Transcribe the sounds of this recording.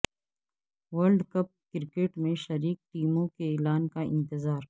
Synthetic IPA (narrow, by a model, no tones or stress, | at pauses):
wɐlɖkɐp̚kɪɾkeːʈmẽʃɐɾiːk̚ʈiːmõkeeːlaːnkaɪ̰̃nt̪ɪzaːɾ